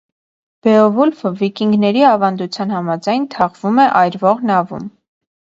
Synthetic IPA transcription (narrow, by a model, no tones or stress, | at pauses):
b̥ɛɔvulfəvikiŋɡnɛɾiɑvɑnd̪ut͡sʰjɑnhɑmɑd͡zɑjnt̪ʰɑʁvumɛʔɑjɾvɔʁnɑvṵm